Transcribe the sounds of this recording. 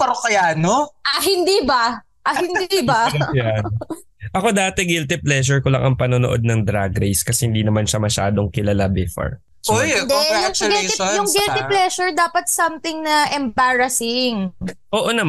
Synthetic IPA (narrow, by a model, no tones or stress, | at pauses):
pɛɾokɐjaːnoʔɐɦɪnd̪ibɐ | ʔɐhɪnd̪ibɐjan | ʔɐko̞d̪aːt̪ɛɡɪlt̪ɪplɛʃ̬ɛɹkolɐ̰ŋʔɐŋpɐnonoʔo̞̰d̪̚nɐŋd̪ɾaɡɾejskɐsɛhɪnd̪iːnɐmanʃɐmɐʃa̰ːd̪oŋkɪlɐlabɪfɐ̰ɹ | ojojŋɪlt̪ijʊŋɡɪlt̪ɪplɛʃʊɹd̪aːpɐt̪̚sɐmt̪ɪŋnɐʔɛmbaɹɐsɪŋʔoːʔonɐm